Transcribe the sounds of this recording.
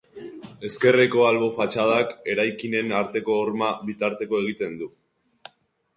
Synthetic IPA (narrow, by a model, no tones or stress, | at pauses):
e̞ske̞reko̞alβo̞fat͡ʃað̞ake̞ɾajkine̞naɾt̪e̞ko̞ːɾmaβit̪aɾt̪e̞ko̞e̞ɣ̞it̪e̞nd̪u